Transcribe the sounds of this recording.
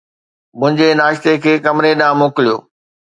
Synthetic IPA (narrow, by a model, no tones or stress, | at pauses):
mʊ̃ɦɪ̃ɲd͡ʑenaːʃt̪ekʰeːkɐmɾeɗãːmoːkɪlijo̰ː